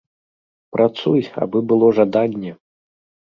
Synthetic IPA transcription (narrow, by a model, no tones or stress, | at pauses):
pɾʔat̪suja̰bɨbɨlˠɔʐad̪anʲːɛ